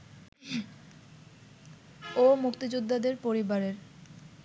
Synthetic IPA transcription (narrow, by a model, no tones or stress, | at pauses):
omukt̪id͡ʑud̪ʱːad̪eɾpoɾibaɾeɾ